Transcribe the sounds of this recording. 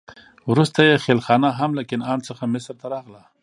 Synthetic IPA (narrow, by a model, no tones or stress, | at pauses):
wɾust̪ajexelxɑnaɦamlakɪnɑnt͡səxamɪsɾt̪aɾɑɣla